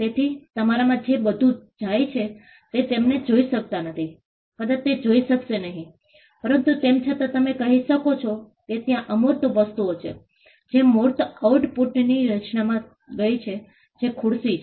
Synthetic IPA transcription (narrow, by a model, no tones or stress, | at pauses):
t̪et̪ʰit̪əmaɾamãd͡ʒebəd̪ʱũd͡ʒajt͡ʃʰe | t̪et̪emned͡ʒoiʃək̚t̪anət̪ʰi | kəd̪at̪ed͡ʒoiʃəkʃenəɦĩ | pəɾənt̪ut̪emt͡ʃʰət̪at̪əmekəɦiʃəkot͡ʃʰo | ket̪jãʔəmoɾt̪oʋəst̪uot͡ʃʰḛ | d͡ʒemoɾt̪auʈpuʈniɾət͡ʃnamã | ɡəit͡ʃʰe | d͡ʒekʰʊɽsit͡ʃʰ